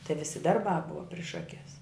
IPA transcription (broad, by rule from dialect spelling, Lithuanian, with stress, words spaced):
tɐɪ ˈʋʲɪsʲɪ ˈdɐrˌbɑː ˈbʊʋɐ pʲrʲɪʃ ˈɑːkʲɛs